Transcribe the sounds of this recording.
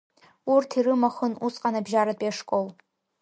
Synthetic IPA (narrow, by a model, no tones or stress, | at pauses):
urtʰiɾɨmaχənusqʼanabʒaɾatʼjaʂkʼol